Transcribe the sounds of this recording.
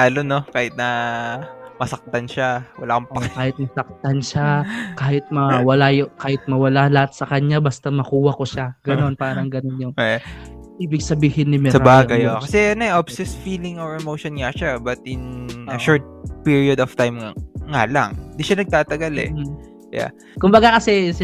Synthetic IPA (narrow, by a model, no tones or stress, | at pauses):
laːlonokaːhɪt̪̚nɐ | mɐsɐk̚t̪ɐnʃawɐlaːkɐmpʔɐkaːhɪt̪̚mɐsɐk̚t̪ɐnʃakaːhɪt̪̚mɐwɐlajʊkaːhɪt̪̚mɐwɐlalɐhat̪̚sɐkɐɲabɐst̪ɐmɐkuːwɐkoʃaɡɐnno̞npaːɾɐŋɡɐno̞njʊŋ | ʔiːbɪɡ̚sɐbiːhɪnɪmɛsɐɾbaːɡɐjokɐsɛɐnoɛʔobsɛsfiːlɪŋoɹɛmowʃonŋɐʃabɐt̪ʔɪnɐʃɔɹt̪̚piɹiod̪ɔft̪ajmŋaŋalɐ̰ŋnd̪iʃanɐɡ̚t̪aːt̪ɐɡalɛ̰ | ja̰ | kʊmbɐɡakɐsɛ